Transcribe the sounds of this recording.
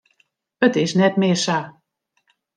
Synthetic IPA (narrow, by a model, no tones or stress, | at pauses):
ət̪ɪsnɛt̪meːʃa